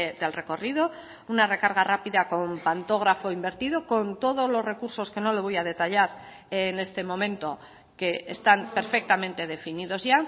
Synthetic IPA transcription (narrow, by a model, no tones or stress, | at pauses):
d̪e̞lre̞ko̞riðo̞ | unare̞kaɾɣ̞arapiðako̞mpant̪o̞ɣɾafo̞imbe̞ɾt̪iðo̞ko̞nt̪o̞ð̞ozlo̞zre̞kuɾso̞ske̞no̞lo̞β̞o̞jað̞e̞t̪aʎaɾ | ene̞st̪e̞mõ̞mẽ̞nt̪o̞ | ke̞est̪ampe̞ɾfe̞k̚t̪amẽnt̪e̞ðe̞finiðo̞zʝa